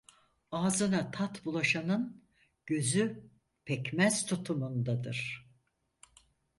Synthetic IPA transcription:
aːzɯnat̪ʰat̪bulˠaʃanɯn | ɟ̥øzy | pʰɛcmæz̥t̪ʰut̪ʰumund̪ad̪ɯ̰ɾ̥

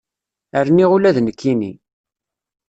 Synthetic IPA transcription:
əɾniʁulæðnəkʰːinḭ

